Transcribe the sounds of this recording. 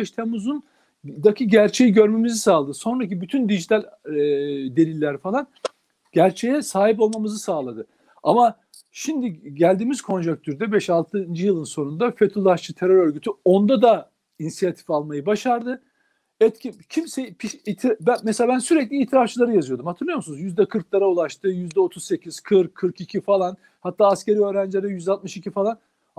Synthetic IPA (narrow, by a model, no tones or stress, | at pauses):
ɛʃt̪ʰemuzun | d̪acʰiɟæɾt͡ʃʰe̞jiɟø̞ɾme̞mizisaːlˠad̪ɯso̞nɾac̬ibyt̪ʰynd̪iʒit̪ʰalʲ | d̪e̞lʲilʲːæɾfalˠan | ɟ̥æɾt͡ʃʰejɛsaːɦipo̞lˠmamɯzɯsaːlˠad̪ɯ | ama | ʃimd̪iɟælʲd̪iːmiz̥kʰo̞nd͡ʒak̚t̪ʰyɾd̪ɛbɛʃalˠt̪ʰɯnd͡ʒijɯlˠɯnso̞nund̪afet̪ʰulˠaʃt͡ʃɯt̪ʰeɾøɾø̞ɾɟyt̪ʰyo̞nd̪ad̪a | inisijat̪ʰi̥falˠmajɯbaʃaɾd̪ɯ | ɛt̪cʰincʰimsɛpʰiʃit̪ʰbæmɛselʲaːbænsyɾɛclʲiːt̪ʰiɾaft͡ʃʰɯlˠaɾɯjazɯjo̞d̪umhat̪ʰɯɾlˠujo̞musunuzjyzd̪ɛkʰɯɾklˠaɾaulˠaʃt̪ɯjyzd̪ɛo̞t̪ʰuzse̞cʰiz̥kʰɯɾkʰːɯɾkicʰifalˠan | hat̪ʰːaːsce̞ɾiøːɾænd͡ʒlʲeɾɛjyzd̪ɛat̪̚mɯʃicʰifalˠan